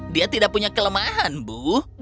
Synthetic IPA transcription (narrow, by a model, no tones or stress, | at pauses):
diat̪idaʔpuɲakələmaɦanbuh